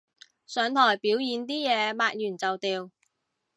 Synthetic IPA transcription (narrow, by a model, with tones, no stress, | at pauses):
sœː˨˧ŋt̪ʰɔː˨˩jpiː˨˥wjiː˨˧nt̪iː˥jɛː˨˧maː˧t̚jyː˨˩nt͡sɐ˨wt̪iː˨w